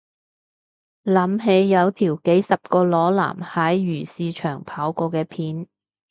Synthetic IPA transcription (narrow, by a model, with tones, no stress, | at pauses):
lɐ˨˥mɦe˨˧jːɐ˨˧wt̪ʰiː˨˩wke˨˥jsɐ˨p̚kɔː˧lɔː˨˥la̰ː˨˩mhɐː˨˥jɥyː˨˩siː˨˧t͡ʃʰœː˨˩ŋpʰaː˨˥wkɔː˧kɛː˧pʰiː˨˥n